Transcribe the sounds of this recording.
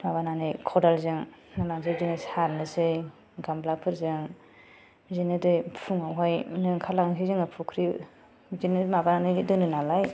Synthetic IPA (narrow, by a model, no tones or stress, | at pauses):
mabananɯjkʰɔdalzɯŋnalaŋzɯzɯŋɯsaɾnɯsɯj | ɡamblapʰɯɾzɯŋ | zinɯdɯjpʰuŋawɦajnɯŋkʰalaŋsizɯŋɯpʰukʰɾi | zinɯmabananɯdɯnɯnalaj